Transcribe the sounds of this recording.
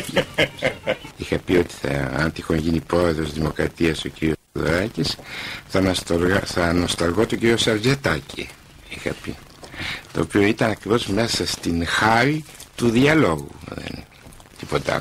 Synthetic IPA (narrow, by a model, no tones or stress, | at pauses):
ixɐpio̞t̪i̥θɐ̰ɐ̰nt̪ixonʝinipɾo̞e̞ðɾo̞zðimo̞kɾɐt̪iɐso̞ciɾio̞soðo̰ɾɐcisθɐst̪θɐno̞st̪ɐlɣo̞t̪oɟiɾio̞sɐɾd͡ʑe̞t̪ɐcḭ | ixɐ̰pḭ | t̪o̞ːpio̞it̪ɐnɐkɾivo̞zme̞sɐst̪inxɐɾit̪uðiɐlo̞ɣṵðḛn | t̪ipo̞t̪ɐ̰